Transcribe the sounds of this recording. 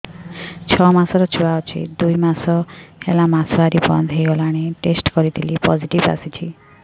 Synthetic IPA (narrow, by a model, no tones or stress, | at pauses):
t͡ʃʰɔmasɔɾɔt͡ʃʰuaɔt͡ʃʰḭd̪ujmasɔelamasbaɾibɔ̰nd̪ʱɦejɡɔlaɽ̃eʈesʈkɔɾit̪ʰilipɔziʈiba̰sit͡ʃʰi